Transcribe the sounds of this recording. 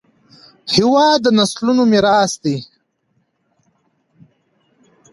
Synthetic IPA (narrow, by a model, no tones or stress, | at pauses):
hiwɑːd̪ənaslunomiɾɑːsd̪i